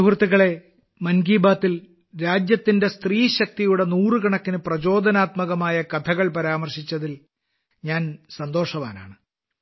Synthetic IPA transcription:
ɦurt̪ːiɣɐɭe̞ | mɐnɡiːbaːt̪ːil | ɾaːd͡ʑjɐt̪ːinde̞st̪riːɕɐk̚t̪ijuɽe̞nuːrɨkɐɳɐkːinɨprɐd͡ʑo̞ːd̪ʱɐnaːt̪mɐɣɐmaːjɐkɐt̪ʰɐɣɐɭpɐɾaːmɐrɕit͡ɕːɐðil | ɲaːnsɐnd̪o̞ːʂɐʋaːna̰ːɳɨ

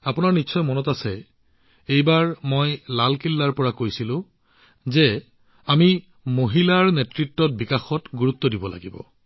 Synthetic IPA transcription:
apʊnaɹnitːsɔjmɔnɔtasɛ | ejbaɹmojlalkilːaɹpɔɹakojsilʊ̃ | zɛ | ami | moɦilaːɹunetɹitːɔt̚bikaxɔtɡuɹutːɔdibɔla̰ɡibɔ̰

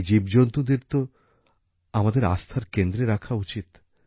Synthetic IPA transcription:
d͡ʑibd͡ʑont̪ud̪eɾt̪o | amad̪eɾa̰st̪ʰaɾkend̪ɾeɾakʰaut͡ɕit̪

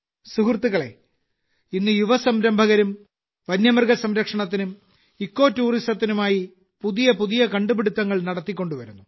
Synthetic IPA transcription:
suɦrt̪ːuɣɐɭe̞̰ | inːɨjuʋɐsɐmɾɐmbʱɐɣɐɾum | ʋɐnjɐmɐrɡɐsɐmɾɐkʂɐɳɐt̪̬ːinum | ikːo̞ːtːuːristɐt̪ːinumaːji | puðijɐpuðijɐkɐɳɖubiɽut̪ːɐŋːɐɭnɐɽɐt̪ːikʲːo̞ɳɖuʋɐɾunːu

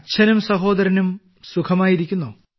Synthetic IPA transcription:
t͡ɕʰɐnumsɐɦoːd̪ɐɾɐnum | sukʰɐmaːjiɾikʲːunːoː

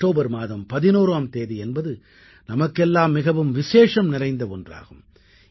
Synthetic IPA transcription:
ʈoːbɐɾmaːðɐmpɐðɪnoːɾaːmt̪eːðiɛnbɐðɯ | nɐmɐkːɛlːaːmːɪɣɐʋɯmʋɪʂeːʂɐmnɪrɐɪnd̪ɐɔndra̰ːɣɯm

